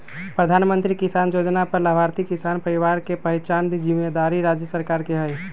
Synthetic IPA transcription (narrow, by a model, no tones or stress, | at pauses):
pɾəd̪ʱaːnmə̃nt̪ɾikisaːnjoːd͡ʒnapəɾləbʱaːɾt̪ikisaːnpəɾiʋaːɾkepəɦɪt͡ʃand̪id͡ʒɪmːed̪aːɾiɾaːd͡ʒjəsəɾkaːɾkeɦɛj